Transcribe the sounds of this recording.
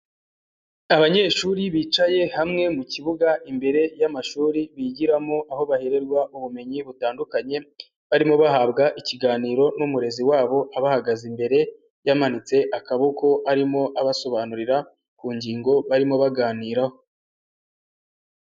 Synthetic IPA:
aβaɲe̞ːʃuɾiβiːt͡ʃaje̞hamŋe̞muciβuɡaʔimbe̞ɾe̞jamaʃuːɾiβiɟiɾamo̞ʔaho̞βahe̞ɾe̞ɾɡwauβume̞ɲiβutaːndukaɲe̞ | βaɾimoβahabɡaʔiciɡaːniːɾo̞numuɾe̞ziwaːβo̞ʔaβahaɡazimbe̞ɾe̞ | jamanit͡se̞ʔakaβoko̞ʔaɾimo̞ʔaβaso̞βanuɾiɾa | kuːɲɟiːŋɡo̞βaɾimoβaɡaːniːɾaho

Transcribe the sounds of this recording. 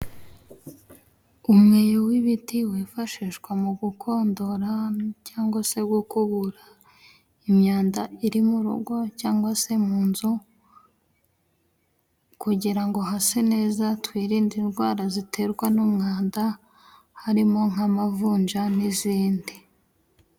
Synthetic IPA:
umŋe̞ːjowiβitiweːfaʃiːʃkwamuɡukʰo̞ːndo̞ɾacaːŋɡwase̞ɡokuβuɾa | imɲaːndaiɾimuɾṵɡo̞caːŋɡwase̞muːnzu | kuɟiɾaŋɡo̞ɦasene̞ːzatwiːɾiːndinɡwaːɾazitʰe̞ɾɡwanumŋaːnda | haɾimo̞ŋ̥amavuːnd͡ʒaniziːndi

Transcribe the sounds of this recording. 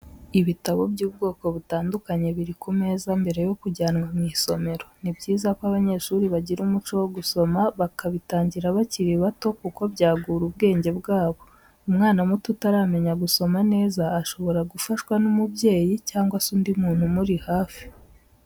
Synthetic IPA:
iβitaβo̞bɟuːb̚ɡo̞ːko̞βutaːndukaɲe̞βiɾikume̞ːzambe̞ɾe̞jo̞kuɟaːnŋamŋiso̞me̞ɾo̞nibɟiːzakwaβaɲe̞ʃuːɾiβaɟiɾumut͡ʃo̞woɡuso̞maβakaβitaːɲɟiɾaβaciɾiβato̞kuko̞βɟaːɡuɾub̚ɡe̞ːɲɟe̞bɡaːβo̞ | umŋaːnamututaɾaːme̞ɲaɡuso̞mane̞ːzaːʃo̞βo̞ɾaɡufaʃwanumubje̞ːjicaːŋɡwasuːndimuːn̥humuɾihaːfi̥

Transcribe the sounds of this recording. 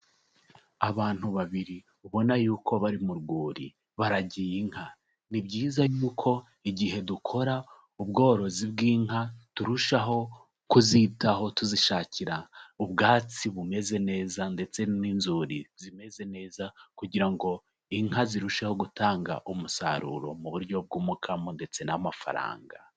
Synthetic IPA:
aβaːn̥huβaβiɾi | uβo̞najuːkʰo̞βaɾimuɾɡuːɾḭ | βaɾaɟijiŋha | nibɟiːzajuːkʰo̞ | iɟihe̞dukʰo̞ɾa | ubɡo̞ːɾo̞zib̚ɡiːŋɦatuɾuʃaɦo̞ | kuzitaɦo̞tuziʃaːciɾaubɡaːt͡siβume̞ze̞ne̞ːzande̞t͡se̞ninzuɾizime̞ze̞ne̞ːzakuɟiɾaŋɡo̞ | iŋɦaziɾuʃeho̞ɡutaːŋɡa̰ʔumusa̰ɾṵːɾo̞̰muβuɾɟo̞b̚ɡuːmukʰamonde̞t͡se̞namafa̰ɾa̰ːŋɡa̰

